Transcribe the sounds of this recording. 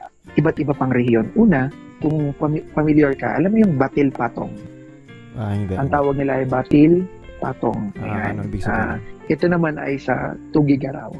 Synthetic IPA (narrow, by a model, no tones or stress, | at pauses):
ʔɪbat̪̚ʔɪbɐpaŋɾɛhjo̞nʔuːnɐ | kʊŋɐmpɐmɪljɛɹkɐ̰ʔɐ̰lamːojʊŋbat̪ɪlpat̪o̰ŋ | ʔɐŋt̪aːwɐɡ̚nɪlaʔɐjbat̪ɪl | pa̰t̪o̰ŋɐ̰janaʔɛt̪o̞nɐmanʔɐ̰jsɐ̰t̪uːɡɪɡɐɾa̰w